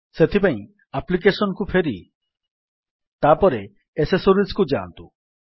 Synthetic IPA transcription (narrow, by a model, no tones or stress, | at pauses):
set̪ʰipãĩ | aplik̬esɔnɔkupʰeɾḭ | t̪apɔɾe | esesoɾiskud͡ʒant̪u